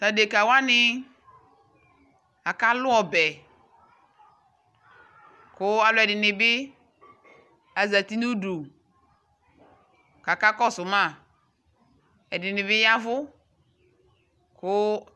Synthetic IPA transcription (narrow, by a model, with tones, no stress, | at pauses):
ta˨de˨ka˨wa˦nɪ˦ | a˨ka˦lʊ˦ɔ˨bɛ˨ | kʊ˦a˨lʊ˨˦ɛ˨dɪ˨nɪ˨bɪ˦ | a˨za˨ti˦nu˦du˨ | ka˨ka˦kɔ˦sʊ˨mã˦˨ | ɛ˨dɪ˨nɪ˨bɪ˦ja˦vʊ˦ | kʊ˦